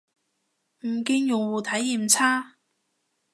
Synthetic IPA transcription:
m̩˨˩kiː˧ŋjʊ˨ŋwuː˨˩t̪ʰɐ˨˥jiː˨˩mt͡sʰaː˥

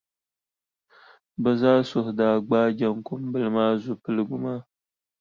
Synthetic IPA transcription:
bɨ˨zaː˦sʊ˨hʊ˨daː˨ɡ͡baː˦d͡ʒa˦ŋkʊ˦mbɨ˦lɨ˦maː˦zʊ˨pɨ˦lɨ˦ɡʊ˦ma˦

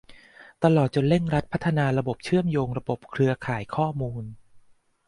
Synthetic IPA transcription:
t̪a˧lɔː˨˩t̪̚t͡ɕo˧nle˥˩ŋɾa˦˥t̪̚pʰa˦˥t̪ʰːa˧naː˧ɾa˧bo˨˩p̚t͡ɕʰɯ˥˩əmjoː˧ŋɾa˧bo˨˩p̚kʰɾɯ˧ɐkʰaː˩˦jkʰɔː˥˩muː˧n

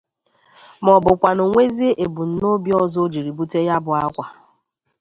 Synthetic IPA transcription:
mɔ˨bʊ˨kʷa˨no˨ŋʷe˦zi˦ʔe˨bu˨n̩˦˨no˦bjɔ˦zo˦d͡ʒi˨ɾi˨bu˦te˦ja˦bʊ˨a˦kʷa˨

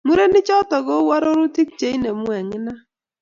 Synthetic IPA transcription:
mu˦ɾe˦nɪ˦t͡ʃɔ˦tɔ˨ɣo˦wa˦ɾo˦ɾu˦tɪ˦k̚t͡ʃe˨˦i˦ne˨mwɛ˨ŋɪ˦na˦

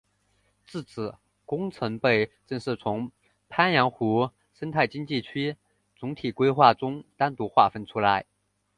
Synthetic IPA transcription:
t͡sɹ̩˥˩t͡sʰɹ̩˨˩˦ | kʊ˥ŋt͡sʰɤ˧˥ŋpe˥˩ɪʈ͡ʂɤ˥˧ŋʂɻ̩˥˩t͡sʰʊ˧˥ŋ | pʰa˥njɑ˧˥ŋxu˧˥ | ʂə˥nt̪ʰa˥˩ɪt͡ɕi˥ŋt͡ɕi˥˩t͡ɕʰy˥ | t͡sʊ˧˥ŋt̪ʰi˨˩kwe˥ɪxwa˥˩ʈ͡ʂʊ˥ŋt̪a˥nt̪u˧˥xwa˥˩fə˥nʈ͡ʂʰu˥la˧˥ɪ

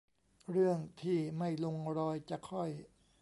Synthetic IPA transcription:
ɾɯ˥˩əŋt̪ʰiː˥˩ma˥˩jlo˧ŋɾɔː˧jt͡ɕa˨˩kʰɔ˥˩j

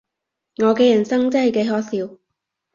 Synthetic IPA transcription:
ŋɔː˨˧kɛː˧jɐ˨˩nsɐ˥ŋt͡sːhɐ˨jke˨˧jɦɔː˨˥siː˨˧w

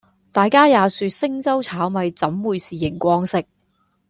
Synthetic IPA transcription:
t̪aː˨jkaː˥jaː˨˧syː˨˧t̚sɪ˥ŋt͡sɐ˥wt͡sʰaː˨˥wmɐ˨˧jt͡sɐ˨˥mwuː˨˧jsiː˨˩jɪ˨˩ŋkʷɔː˥ŋsɪ˥k̚

